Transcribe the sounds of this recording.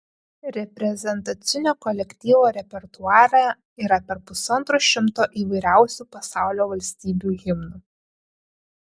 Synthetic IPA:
ɾʲɛpʲɾʲɛzʲɛnt̪ɐt̪sʲɪnʲoːkɔlʲɛkʲt̪ʲiːʋoːɾʲɛpʲɛɾt̪ʊɑːɾɑ | iːɾɐpʲɛɾpʊsɐnt̪ɾoːʃʲɪmt̪oːʔiːʋɐɪɾʲæˑʊsʲupɐsɑˑʊlʲoːʋɐlʲsʲt̪ʲiːbʲuːɣʲɪmnu

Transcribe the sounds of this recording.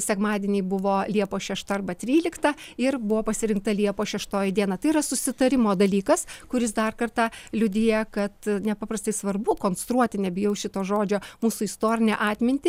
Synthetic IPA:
sʲɛkmɑːd̪ʲiɛnʲɛɪbʊʋoːlʲiɛpoːʃʲɛʃt̪ɐɐrbɐt̪ʲɾʲiːlʲɪkt̪ɐɪrbʊʋoːpɐsʲɪɾʲɪŋk̚t̪ɐlʲiɛpoːʃʲɛʃt̪oːjɪd̪ʲiɛnɐt̪ɐɪirɐsʊsʲɪt̪ɐɾʲɪmoːd̪ɐlʲiːkɐskʊɾʲɪsd̪ɐrkɐrt̪ɑlʲʊd̪ʲiːjɛkɐt̪nʲɛpɑːpɾɐst̪ɐɪsʋɐrbʊkoːnst̪ɾuɔt̪ʲɪnʲɛbʲɪjɛʊʃʲɪt̪oːʒoːd͡ʒʲoːmuːsʊɪst̪oːɾʲɪnʲɛʔɑːt̪ʲmʲɪnʲt̪ʲɪ

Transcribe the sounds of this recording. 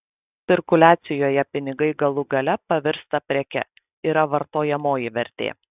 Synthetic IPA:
sʲɪɾkʊlʲæːt̪sʲɪjoːjɛpʲɪnʲɪɡɐɪɡɐlˠʊɡɐlʲɛpɐʋʲɪɾst̪ɐpʲɾʲɛkʲɛ̰ | iːɾɐʋɐɾt̪oːjɛmoːjɪʋʲɛɾʲt̪ʲḛː

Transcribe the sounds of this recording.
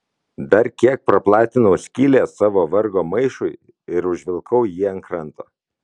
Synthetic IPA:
d̪ɐɾkʲiɛk̚pɾɐplˠɑːt̪ʲɪnɐʊsʲkʲiːlʲeːsɑːʋoːʋɐɾɡoːmɐɪʃʊɪ | ɪɾʊʒʲʋʲɪlˠkʰɐʊjiːɐŋkɾɐnt̪oː

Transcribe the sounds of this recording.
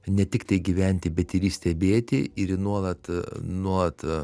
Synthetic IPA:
nʲɛt̪ʲɪkt̪ɐɪɡʲiʋʲɛnʲt̪ʲɪbʲɛt̪ɪɾʲiːsʲt̪ʲɛbʲeːt̪ʲɪɪɾnuɔlˠɐt̪nuɔlˠɐt̪

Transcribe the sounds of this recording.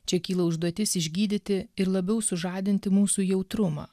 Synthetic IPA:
t͡ʃʲɛkʲiːlˠɐʊʒd̪uɔt̪ʲɪsɪʒʲɡʲiːd̪ʲɪt̪ʲɪɪɾlˠɐbʲɛʊsʊʒɑːd̪ʲɪnʲt̪ʲɪmuːsuːjɛʊt̪ɾʊmɑ̰ː

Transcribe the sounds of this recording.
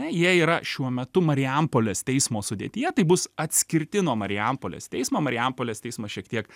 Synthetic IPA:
ɛjiɛiːɾɐʃʲuɔmʲɛt̪ʊmɐɾʲɪɛmpoːlʲeːst̪ʲɛɪsmoːsʊd̪ʲḛːt̪ʲɪjɛt̪ɐɪbʊsɐt̪ʲsʲkʲɪɾʲt̪ʲɪnuɔmɐɾʲɪɛmpoːlʲḛːst̪ʲɛɪsmoːmɐɾʲɪɛmpoːlʲeːst̪ʲɛɪsmɐʃʲiɛkt̪ʲiɛk

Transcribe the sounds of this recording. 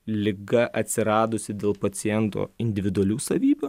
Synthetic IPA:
lʲɪɡɐʔɐt̪ʲsʲɪɾɑːd̪ʊsʲɪd̪ʲeːlˠpɐt̪sʲɪjɛnt̪o̰ːɪnʲd̪ʲɪʋʲɪd̪ʊɐlʲuːsɐʋʲiːbʲuː

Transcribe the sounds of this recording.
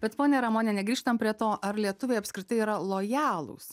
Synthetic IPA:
b̥ʲɛt̪poːnʲɛɾɐmoːnʲɛnʲɛɡɾiːʃt̪ɐmpʲɾʲiɛt̪oːʔɐɾlʲiɛt̪ʊʋʲeːɐpʲskɾʲɪt̪ɐɪiːɾɐlˠoːjɑːlˠṵs

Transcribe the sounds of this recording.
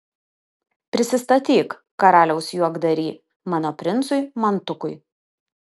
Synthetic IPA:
pʲɾʲɪsʲɪst̪ɐt̪ʲiːk | kːɐɾɑːlʲɛʊsjuɔɡd̪ɐɾʲiː | mɑːnoːpʲɾʲɪnt̪sʊɪmɐnt̪ʊkʊɪ

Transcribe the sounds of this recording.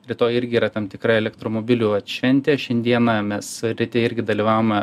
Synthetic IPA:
ɾʲɪt̪oːjɪɾʲɡʲɪiːɾɐt̪ɛmt̪ʲɪkɾɐɛlʲɛkt̪ɾoːmoːbʲɪlʲuɐt̪ʃʲʋʲɛnʲt̪ʲeːʃʲɛnʲd̪ʲiɛnɐmʲɛsɾʲɪt̪ʲɪɪɾʲɡʲɪd̪ɐlʲiːʋɑːʋomɐ

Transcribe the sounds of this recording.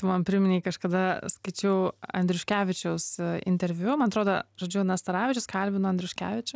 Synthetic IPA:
t̪mɐnpʲɪɾʲmʲɪnʲɛːkɐʃkɐd̪ɐskɐɪt͡ʃʲɛʊɐ̰nʲd̪ʲɾʲʊʃʲkʲæːʋʲɪt͡ʃʲɛʊsɪ̰nʲt̪ʲɛɾʲʋʲjʊmɐnɐt̪ɾoːd̪oʒoːd͡ʒʲʊnɐst̪ɐɾɑːʋʲɪt͡ʃʲʊskɐlʲbʲɪnʊɐnʲd̪ʲɾʲʊʃʲkʲæ̰ːʋʲɪt͡ʃʲʊ

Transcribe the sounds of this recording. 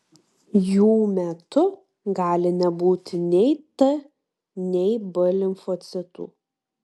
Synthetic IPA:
juːmʲɛt̪ʊ | ɡɑːlʲɪnʲɛbuːt̪ʲɪnʲɛɪt̪ɐ | nʲɛɪbɐlʲɪmfɔt̪sʲɪt̪ṵː

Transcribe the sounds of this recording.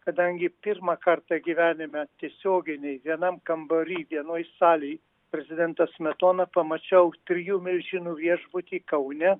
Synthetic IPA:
kɐd̪ɐŋʲɡʲɪpʲɪɾmɑkɐɾt̪ɐɡʲiʋʲæːnʲɪmʲɛt̪ʲiɛsʲoːɡʲɪnʲɛɪʋʲiɛnɐmkɐmboɾʲiːʋʲiɛnoːjsɑːlʲɛɪ | pʲɾʲɛzʲɪd̪ʲɛnt̪ɐsmʲɛt̪oːnɐpɐmɐt͡ʃʲɛʊt̪ʲɾʲɪjuːmʲɪlʲʒʲɪnuːʋʲiɛʒbʊt̪ʲiːkɐʊnʲɛ

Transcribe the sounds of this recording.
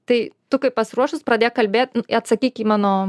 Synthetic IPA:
t̪ɐɪt̪ʊkɐɪppɐsʲɪɾuɔʃtʊspɾɐd̪ʲeːkkɐlʲbʲeːt̪̚ʲnʊɪɐt̪sɐkʲiːkʲiːmɑːnoː

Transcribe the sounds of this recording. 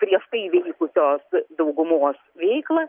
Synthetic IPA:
kɾʲiɛʃt̪ɐɪʋʲɛɪkʊsʲoːsd̪ɐʊɡʊmoːsʋʲɛɪklˠɐ

